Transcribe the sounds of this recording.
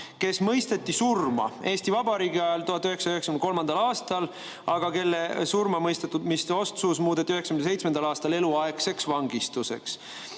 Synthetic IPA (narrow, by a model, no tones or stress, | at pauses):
ke̞smɤ̞jst̪e̞t̪ːˑisurmɑ̰e̞ːst̪ivɑbɑɾiːɡiɑelt̪uɦɑt̪ːˑyhɦeksɑyheksɑ̥kynko̞lmɑnd̪̥ɑlɑːst̪ɑl | ɑɡ̥ɑke̞lːesurmɑmɤjst̪et̪ːud̪mist̪eo̞st̪susmuːd̪e̞t̪ʲːˑiyhe̞ksɑ̥kynse̞jt̪smend̪ɑlɑːst̪ɑle̞luɑekse̞ksvɑŋɡ̥ist̪use̞̰ks